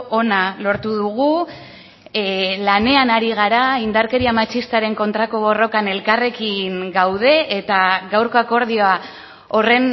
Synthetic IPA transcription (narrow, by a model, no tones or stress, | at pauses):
ʔo̞nalo̞ɾt̪uðuɣu | lane̞anaɾiɣ̞aɾaind̪aɾke̞ɾiamat͡ʃist̪aɾe̞ŋko̞nt̪ɾako̞βo̞ro̞kane̞lkare̞kiŋɡawð̞e̞ʔet̪aɣawɾko̞ako̞ɾðioa | o̞re̞n